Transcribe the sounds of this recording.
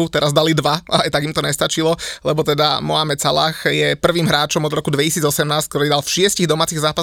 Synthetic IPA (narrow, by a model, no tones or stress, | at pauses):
ut̪ɛɾazd̪alid̪ʋaaajt̪aɡimt̪ɔɲɛst̪at͡ʃilɔlɛbɔt̪ɛd̪amɔamɛt͡sala̰xjɛpr̩ʋiːmɦɾaːt͡ʃɔmɔd̪ɾɔkud̪ʋɛcisiːd͡zɔsɛmnaːsck̚t̪ɔɾiːd̪alfʃɪɛsciɣd̪ɔmaːt͡siɣzaːpa